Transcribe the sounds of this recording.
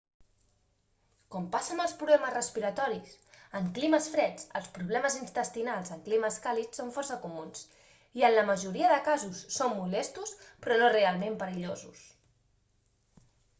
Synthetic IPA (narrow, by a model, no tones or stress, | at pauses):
kɔmpasənəlˠspɾuβlɛməzrəspiɾət̪ɔɾisəŋkliməsfɾɛt͡sə̰lˠspɾuβ̞lɛməzinst̪əst̪inalˠzəŋkliməskalisːoɱfɔrsəkumuns | iənləməʒuɾiəðəkazusːomːulɛst̪uspɾɔnorealˠmempəɾiʎozus